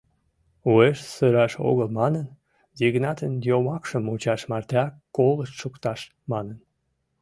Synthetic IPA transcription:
ueʃsəɾɑʃo̰ɣəlmɑnən | ziɣnɑt̪ənjomɑkʃəmut͡ɕɑʃmɑrt̪ɑkːoləʃʃukt̪ɑʃ | mɑnən

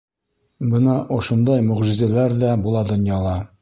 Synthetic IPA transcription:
bɤnɑʔŏʃŏnd̪ɑjmɵ̆ʁʒizælæɾðæbulˠɑd̪ŏnjɑlˠɑ

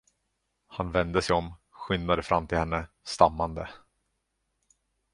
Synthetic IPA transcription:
hanvɛnd̪əsɛjɔmɧʏnd̪ad̪əfɾʔamːt̪ʰɪlhɛnːə | st̪amːand̪ə

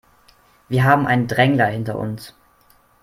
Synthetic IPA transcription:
v̥iːɐɦaːbm̩ʔa̰ɪnəndʁɛŋlɐhɪntɐ̰ʔʊ̰ns

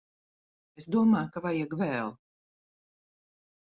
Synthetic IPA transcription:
esd̪uɔmaːjkavajɛɡvɛːlˠ

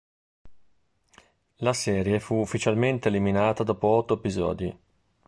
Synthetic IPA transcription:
lasɛːɾjefuːfːit͡ʃalment̪eːliminaːt̪ad̪ɔːpoɔt̪ːoepizɔ̰ːd̪i

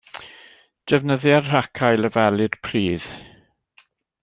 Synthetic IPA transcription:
d̥ɛvnəðjarr̥akʰajləvɛlɪd̥pʰriːð̥

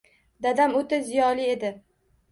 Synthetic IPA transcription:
d̪ad̪amot̪ɪzijɒlie̞d̪ɪ

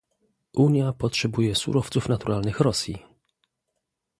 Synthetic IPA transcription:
ʔuɲjapɔtʂɛbujɛsṵɾɔft̪sufnat̪uɾalnɘxɾɔsʲjḭ

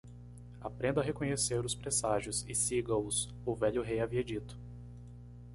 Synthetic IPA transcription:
apɾẽnd̪ʊɐɦekõɲeseɾʊspɾesaʒjʊsɪsiɡɐʊs | ʊvɛʎʊɦejaviɐd͡ʒit̪ʊ̥

